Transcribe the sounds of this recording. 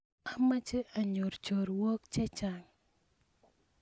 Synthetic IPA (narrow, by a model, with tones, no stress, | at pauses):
a˦ma˦t͡ʃe˦ʔa˨ɲo˨ɾt͡ʃo˨ɾwo˦kt͡ʃɛ˦t͡ʃa˨ŋ